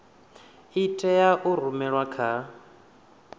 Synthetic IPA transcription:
itʰʼɛjaʔuɾumɛɺwakʰa

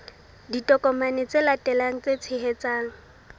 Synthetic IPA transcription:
ditʼɔkɔmanɪt͡selatʼɛlaŋ̩t͡set͡sʰɪɦet͡saːŋ̩

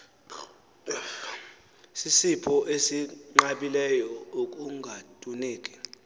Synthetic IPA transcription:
sisipʰɔʔesiŋ͡ǃaɓilɛjɔuk̬ʼuŋɡʱatʼuneːkʼi̥

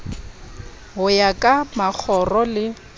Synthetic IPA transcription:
ɦʊjakʼamak͡xʰɔrɔlɪ

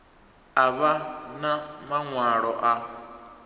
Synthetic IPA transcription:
aβanamaŋʷwaːɾɔʔa

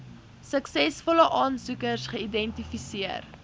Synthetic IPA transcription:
səksɛsfɔləʔɑːnsukərsχəidɛntifisiər

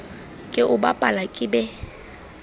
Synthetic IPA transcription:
kʼɪʔʊba̰pʼalakʼɪbɛ

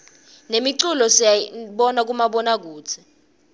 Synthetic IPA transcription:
nemiǀulɔsaɓɔnak̬umaɓɔnak̬uːt͡sʰi̥

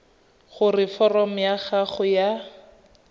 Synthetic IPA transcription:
χʊrɪfɔrɔm̩jaχaχʊja

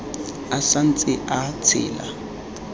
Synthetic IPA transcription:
asan̩t͡sʼɪʔat͡sʰɪ̰ːla̰

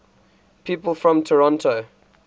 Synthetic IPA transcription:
pʰiːˑpəlˠfɹɔ̃mtʰəɹɔ̃ntʰo

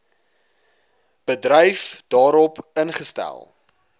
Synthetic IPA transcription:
b̥ədrəjfd̥ɑːɾɔpənχəstæ̰lˠ

